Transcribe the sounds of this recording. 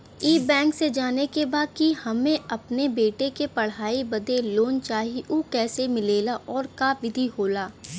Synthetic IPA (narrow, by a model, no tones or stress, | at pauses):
iːbɛ̃ːŋksed͡ʒaːnekebaːd̪̚kihɐmẽɐpnebeːʈekepɐɽ̤aːibɐd̪eloːnt͡ʃaːɦiʔuːkɛːsemɪleːlaʔɔːɾkaːʋɪd̪ʱiɦoːlaː